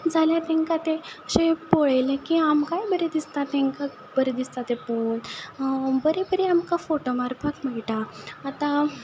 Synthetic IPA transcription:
d͡zʱaljat̪ɛ̃ŋkat̪eəɕẽpoɭəjlekiamkajbəɾed̪ist̪at̪ẽŋka | bəɾed̪ist̪at̪epun | bəɾebəɾeamkafoʈomaɾpakm̤ɛɭʈaːt̪ã

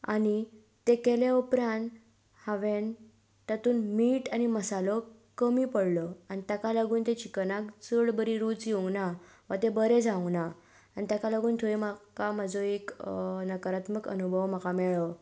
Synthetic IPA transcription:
a̰ñi | t̪ekeleupɾãn | haʋen | t̪at̪uːnmiːʈaniməsalo | kəmipəɽlɔanit̪jakaləɡuːnt̪et͡ɕikənakt͡səɭbəɾiɾuːt͡sjĩŋna | ʋa̰t̪ebəɾed͡zʱãna | anit̪jakaləɡuːnt̪ʰoemakamad͡zoeknəkəɾat̪məkə̰nubʱəʋm̤akamɛɭə

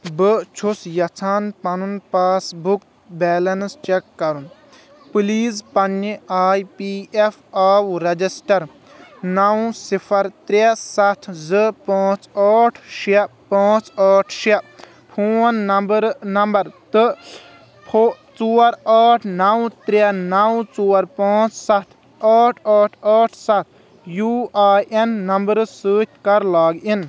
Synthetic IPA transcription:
bɨt͡ʃʰusjɐt͡sʰaːnpɐnunpaːsbuk̚ | bɛːlɐnst͡ʃekːɐɾun | pɨliːzpɐnːiaːjpiːefʰaːwɾɐd͡ʒisʈɐɾ | nɐw̃sipʰɐɾt̪ɾesɐt̪ʰzɨpãːt͡saːʈʰʃepãːt͡saːʈʰʃɐ | pʰuːnːɐbɾnɐmbɐɾt̪ɨ | pʰot͡suːɾaːʈʰnɐwt̪ɾenɐwt͡suːɐɾpãːt͡ssɐt̪ʰ | aːʈʰaːʈʰaːʈʰsɐt̪̚ʰ | juːaːjenːɐmbəɾsəːtʲʰkɐɾlaːɡin

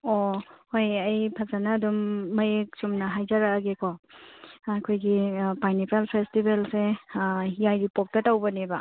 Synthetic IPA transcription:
ohojɐjpʰazanɐːdumːɐjek̚sumnɐɦajzaɾaaɡeko | ɐkʰojɡipajnipʰalpʰestibelse | jajɾipok̚tɐtawbɐnebɐ

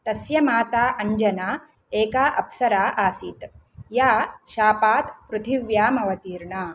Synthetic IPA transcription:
t̪ɐsjɐmaːt̪aːʔɐɲd͡ʒɐnaː | eːkaːʔɐpsɐɾaːʔaːsit̪ | jaːʃaːpaːt̪pɾut̪ʰiʋjaːmɐʋɐt̪iːɾɳaː

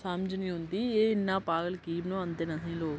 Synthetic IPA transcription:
samd͡ʒnĩːɦʊ̃nd̪iːeːɪnːãːpaːɡəlkiːbnõːə̃nd̪eːnasĩːloːɡ

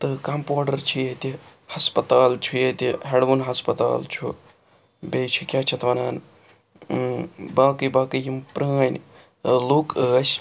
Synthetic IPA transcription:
t̪ɨkɐmpoːɖɐɾt͡ʃʰijet̪ʲihɐspɐt̪aːlt͡ʃʰujet̪ʲiɦeɖʋunɦɐspɐt̪a̰ːlt͡ʃʰṵ | bʲeːjt͡ʃʰikʲjaːt͡ʃʰɐt̪ʰʋɐnaːn | baːkɨbaːkɨjimpɾənʲ | lukəːs

